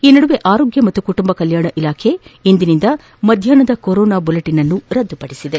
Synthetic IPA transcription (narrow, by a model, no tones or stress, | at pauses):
iːnɐɽuʋe̞ʔaːɾoːɡjɐmɐt̪ːukuʈumbɐkɐljaːɳɐʔilaːkʰe̞ind̪inind̪ɐ | mɐd̪ʱjaːnɐd̪ɐkoɾɔːnaːbɐlɐʈinɐnːuɾɐd̪ːupɐɽisid̪e